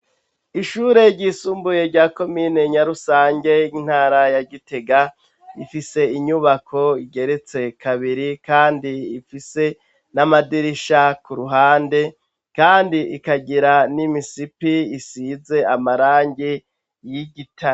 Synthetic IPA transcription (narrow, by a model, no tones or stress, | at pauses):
iʃuːɾe̞ɾɟisuːmbuje̞ɾɟaːko̞miːneɲaɾusaːɲɟe̞in̥haːɾajaɟite̞ɡa | ifise̞iɲuβakʰo̞iɡe̞ɾe̞t͡se̞kʰaβiɾikaːndiːfise̞ | namadiɾiʃakuɾuɦaːnde̞ | kaːndiikaɟiɾanimisipiisize̞amaɾaːɲɡi | jiɟitʰa